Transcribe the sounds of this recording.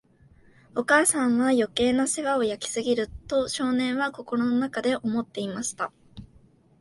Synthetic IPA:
o̞kaːsãɰ̃βajo̞ke̞ːnase̞ɡao̞jakʲi̥sɨɡʲiɾɯ̟t̪o̞ɕo̞ːnẽ̞ɰ̃βako̞ko̞ɾono̞nakad̪e̞ʔo̞mo̞t̪ːe̞imaɕi̥t̪a

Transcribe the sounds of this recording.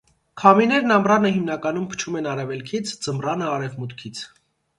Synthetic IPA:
kʰɑminɛɾnɑmrɑnəɦimnɑkɑnumpʰə̥t͡ʃʰumɛnɑɾɛvɛlkʰit͡sʰd͡zəmrɑnəɑɾɛvmut̪kʰit͡sʰ

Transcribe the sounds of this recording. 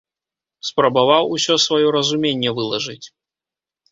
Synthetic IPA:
spɾɐbavawusʲɔsvajɔɾɐzumʲenʲːɛvɨlˠɐʐɨt͡sʲ

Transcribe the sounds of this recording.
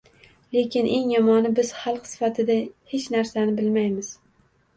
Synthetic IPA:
le̞kʲʰɪnʔe̞ŋjɒmɒnɪbɪz̥χɑlˠqsɪ̥fat̪ʰɪd̪ahet͡ʃnaɾsanɪbɪlmajmɪz̥

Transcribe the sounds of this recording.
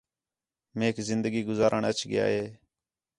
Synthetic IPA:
meːkzɪnd̪əɡiːɡʊzaːɾʔəɳət͡ʃʰɡɪja̰ːɦeː

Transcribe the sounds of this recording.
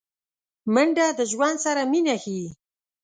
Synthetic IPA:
məɳɖad̪əʒwand̪saɾaminaxi

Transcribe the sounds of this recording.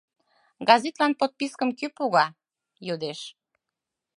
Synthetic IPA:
ɡɑzet̪lɑnpot̪̚piskəmkypuɣɑ | jud̪eʃ

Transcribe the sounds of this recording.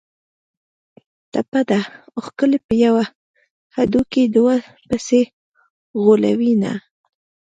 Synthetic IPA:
t̪apad̪aoxkəlepəjawa | had̪ukid̪wa | pəse | ɣola̰wina̰

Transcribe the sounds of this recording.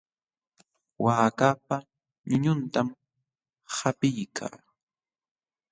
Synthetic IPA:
waːkapa | ɲʊɲʊnt̪am | hapɪjkʰa̰ː

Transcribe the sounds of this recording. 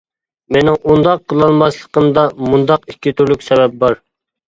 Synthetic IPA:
menɪŋʔund̪ɑqʰːəlˠɑlˠmɑslˠəqəmd̪ɑmund̪ɑqikʲʰːit̪ʰyɾlykʲsɛbɛp̚bɑɾ

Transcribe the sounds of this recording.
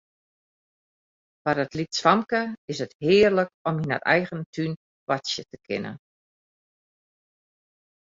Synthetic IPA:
farətlitsʋamkəɪsəthɪːrləkɔmina̰rɛ̰jɣəntʰyn | wɔsjətəkʰɪ̰nə̰n

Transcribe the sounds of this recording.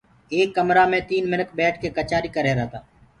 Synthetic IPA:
eːkːəmɾaːmẽːt̪iːnmɪnəkbɛːʈ̚ʰkeːkət͡ʃaːɾiːkəɾeːɾəːt̪aː

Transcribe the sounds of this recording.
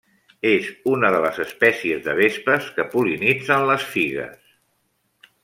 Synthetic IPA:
ezunəðələzəspɛsiəzðə̰β̞espəskəpulinid͡zənləsfiɣə̰s

